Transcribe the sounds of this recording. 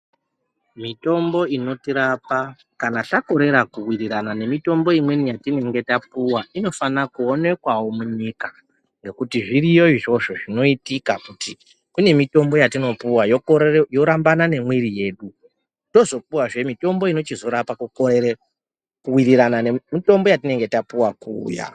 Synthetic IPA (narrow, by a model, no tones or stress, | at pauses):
mito̞mbo̞ino̞tiɾapa | kanatako̞ɾe̞ɾakuwiriɾanane̞mito̞mbo̞imwe̞nijatine̞ŋɡe̞tap̚uwaino̞fanakuone̞kwawo̞muɲika | ŋɡe̞kutiʐiɾijo̞iʐo̞ʂo̞ʐino̞itikakuti | kune̞mito̞mbo̞jatino̞puwajokojo̞ɾambanane̞mwiɾije̞ːɗu | to̞zo̞p̚uwaʐe̞mito̞mbo̞ino̞t͡ʃizo̞ɾapaku | kuwiɾiɾananemito̞mbo̞jatine̞ŋɡe̞tapuwakṵːja̰